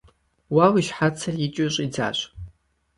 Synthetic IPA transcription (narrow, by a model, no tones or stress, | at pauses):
wawiʃħat͡sʰarit͡ʃʷʼiʂʷʼid͡za̰ɕʷʼ